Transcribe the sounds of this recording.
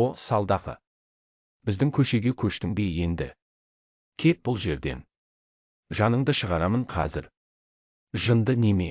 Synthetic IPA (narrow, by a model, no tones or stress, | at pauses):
osɑlˠd̪ɑqə̰ | b̥ɪzd̪ɪŋkʲʰɵʃe̞ɡʲekʲʰɵʃt̪ɪŋbeje̞nd̪ɪ̰ | kʲʰe̞t̪̚b̥ʊlˠʒe̞ɾd̪e̞̰n | ʒɑnəɴd̪əʃəʁɑɾɑməɴqʰɑ̰zɪ̰ɾ | ʒənd̪əneme̞̰